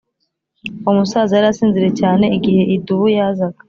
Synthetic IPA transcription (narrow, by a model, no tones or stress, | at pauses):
umusaːzajaɾasiːnziɾe̞caːne̞iɡihe̞ʔiduβujaːzaɡḁ